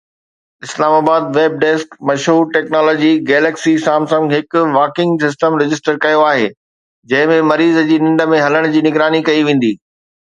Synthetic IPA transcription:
ɪslaːmaːbaːd̪̚ʋeːb̚ɖeːskmɐʃɦuːɾʈeːknaːlɔːd͡ʑiɡɛːleːksisaːmsɐ̃ŋɡɦɪkʊʋaːkɪ̃ŋɡsɪs̬ʈəmɾɪd͡ʑɪsʈəɾkɐjoaːɦḛː | d͡ʑɐ̃ɦɪ̃mẽmɐɾiːzəd͡ʑiːnɪ̃ɳɖə̆mẽɦɐləɽ̃d͡ʑiːnɪɡɾaːnikɐiʋẽːn̆d̪iː

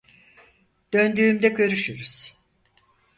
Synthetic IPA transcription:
d̪̥ø̞nd̪yːmd̪ɛɟø̞ɾyʃyɾuz̥

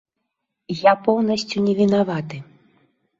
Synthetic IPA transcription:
japɔwnɐsʲt͡sʲunʲɛvʲinavat̪ɨ

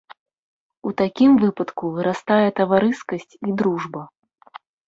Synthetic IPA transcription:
ut̪akʲimvɨpɐt̪kuvɨɾast̪ajɛt̪ɐvaɾɨskɐsʲt͡sʲid̪ɾuʐbɐ

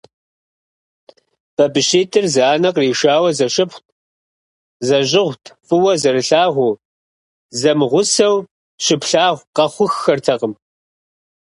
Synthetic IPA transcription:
b̥ɐbɨɕeːtʰʼɨrzaːnɐqriːʃaːwɐzɐʃɪpχʷt̚ʰʼ | zɐʑɪʁʷtʰfʼɨwɐzɐɾɨɬaːʁʷuː | zɐmɨʁʷʊsɐw | ɕɪpɬaːʁʷqɐχʷʊxːɐrtʰɐqəm

